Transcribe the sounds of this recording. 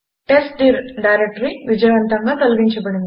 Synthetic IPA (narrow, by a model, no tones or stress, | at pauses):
ʈesɖiɾɖajɾek̚ʈɐɾiʋid͡ʒɐjʋɐnt̪ɐŋɡakɐlɡiɲt͡ʃɐbɐɽind̪